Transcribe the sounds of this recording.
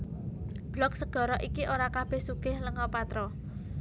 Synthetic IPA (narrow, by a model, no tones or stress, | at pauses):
b̥lɔk̚səɡ̥ɔ̤ɾɔʔikiʔoɾakab̥ehsuɡ̥ɪhləŋɔpat̪ɾɔ